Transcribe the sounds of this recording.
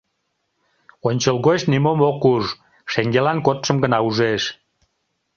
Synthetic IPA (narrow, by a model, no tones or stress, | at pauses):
onʲt͡ɕəlɣoʃnimomokuʒ | ʃeŋɡelɑnkot̪ʃə̆mɡənɑuʒeʃ